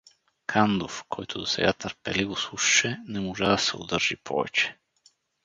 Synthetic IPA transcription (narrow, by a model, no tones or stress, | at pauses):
kʰand̪ofkʰɔjt̪od̪osɛɡat̪əɾpɛlivoslˠuʃʃɛnɛmoʒad̪ɐsɛo̰d̪əɾʒ̥ipʰɔ̰vɛ̰t͡ʃɛ̥